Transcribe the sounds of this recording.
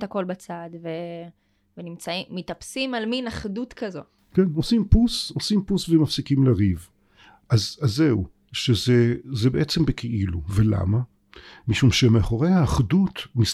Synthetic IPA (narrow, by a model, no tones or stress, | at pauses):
thako̞lbat͡sad̪ve | venimt͡saimːit̪apsimalminaχdut̪kazo̞ | keno̞simpusosimpusvemafsikimlaʁiv | ʔazazeu | ʃezezebeʔet͡sembekʰeʔiluvela̰ma | miʃumʃemeaχoʁejhaːχdut̪nis